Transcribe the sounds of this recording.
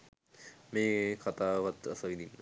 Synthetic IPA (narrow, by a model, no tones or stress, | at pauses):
meːkʰat̪aːʋat̪ːɐ̰sɐʋid̪inːə